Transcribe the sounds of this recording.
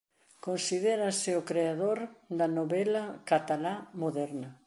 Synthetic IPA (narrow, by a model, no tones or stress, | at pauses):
konsið̞eɾɐsɪokɾeaðoɾd̪ɐnoβɛlɐkat̪alamoðɛɾnɐ